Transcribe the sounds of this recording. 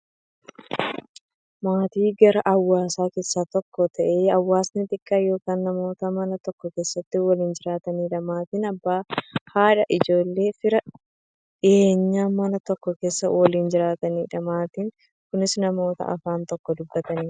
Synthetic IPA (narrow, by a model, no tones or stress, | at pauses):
maːt̪iːɡɐɾɐʔɐwːaːsaːke̞ːsːaːt̪ɔkːɔt̪ʰɐʔe̞ːɐwːaːsnɪt̪ʼɪkʼːaːjo̞ːkaːnːɐmo̞ːt̪ɐmɐnɐt̪ɔkːɔke̞ːsːɐt̪ːɪwɐliːnd͡ʒɪɾaːt̪ɐniːᶑɐmaːt̪iːnɐbːaːhaːᶑɐʔɪd͡ʒo̞ːlːe̞ːfɪɾɐ | ᶑɪʔeːɲːaːmɐnɐt̪ɔkːɔke̞ːsːɐwɐliːnd͡ʒɪɾaːt̪ɐniːᶑɐmaːt̪iːŋ | kʊnɪsnɐmo̞ːt̪ɐ̰ɐ̰faːnt̪ɔkːɔd̪ʊbːɐt̪ɐniː